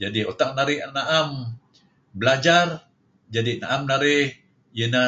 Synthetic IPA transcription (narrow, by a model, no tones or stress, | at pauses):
d͡ʒadiot̪aʔ̚naɾɪhanaʔam | bəlad͡ʒar | d͡ʒadinaʔamnaɾɪh | jənə